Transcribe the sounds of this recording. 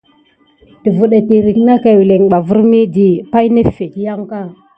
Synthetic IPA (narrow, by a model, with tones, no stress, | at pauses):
ti˨vu˨ɗa˨ti˨ɾi˨kna˦ka˨wi˨le˨ŋ˨ɓa˨vu˦ɾmi˦di˨pa˦jne˦fe˨kja˦ŋ˦ka˦˨